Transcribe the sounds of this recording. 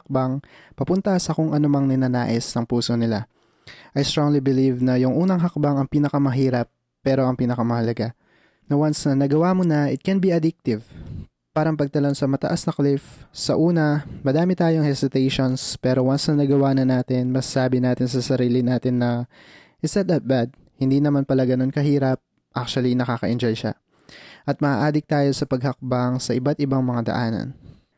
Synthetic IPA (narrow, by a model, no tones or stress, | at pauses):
hɐk̚bɐŋpɐpʊnt̪ɐsɐkʊŋʔɐnomɐŋnɪnana̰ːʔɪsnɐŋpuːso̞nɪla | ʔɐjst̪ɾoŋlibɪlivnɐjʊŋʔuːnɐŋɦɐk̚baŋɐŋpiːnɐkɐmɐɦiːɾɐpː | ɛːɾo̞ʔɐŋpiːnɐkɐmɐhɐlɐɡa | nɐwansnɐnɐɡɐwaːmonɐʔɪt̪̚kɛnbiɐd̪ɪk̚t̪ɪv | paːɾɐŋpɐɡ̚t̪ɐlonsɐmɐt̪ɐ̰ʔasnɐklɪfsɐ̰ʔuːnɐmɐd̪aːmɪt̪aːjoɐŋhɛsɪt̪ɛjʃonspɛːɾo̞wansnɐŋnɐɡɐwaːnɐnaːt̪ɪnmɐssaːbɪnaːt̪ɪnsɐsɐɾiːlɪnaːt̪ɪnːɐ | ʔɪst̪ɛd̪ɐt̪̚bad̪̚ | hɪnd̪iːnɐmanpɐlaɡɐno̞nkɐɦiːɾɐp̚ | ʔak̚t͡ʃʊɐlinɐkaːkɐʔɪnd͡ʒɛlʃa̰ | ʔɐt̪mɐʔa̰ːʔaːd̪ɪk̚t̪aːjo̞sɐpɐɡ̚hɐk̚baŋsɐʔɪbat̪̚ɪbaŋmɐŋad̪ɐ̰ʔaːnɐ̰n